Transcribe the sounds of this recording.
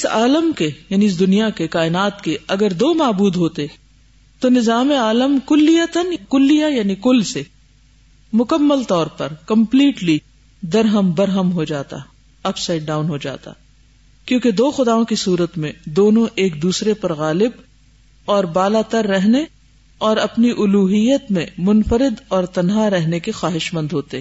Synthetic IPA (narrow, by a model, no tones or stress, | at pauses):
ɪsa̰ːləmkejaːniɪs̬d̪ʊnijakekaːɪnaːt̪keɐɡəɾd̪oːmaːbuːd̪ɦoːt̪e | t̪onɪzaːmeaːləmkʊlːijət̪ənkʊlːijajaːnikʊlse | mʊkəmːəlt̪ɔːɾpɐɾkɐ̃mpliːʈli | d̪ɐɾɦəmbɐɾɦəmɦod͡ʒaːt̪a̰ | ɐpsaɪʈ̚ɖaːʊnɦod͡ʒa̰ːt̪a̰ | kjõːked̪oːxʊd̪aːõkisuːɾət̪mẽd̪oːnõʔeːk̚d̪uːsɾepɐɾɣaːlɪb | ɔːɾbaːlat̪ɐɾːɛɦne | ɔːɾɐpniʔʊluːɦijət̪mẽmʊnfəɾɪd̪ɔːɾt̪ɐnɦaɾɛɦnekexaːɦɪʃmə̃nd̪ɦoːt̪eɦɛ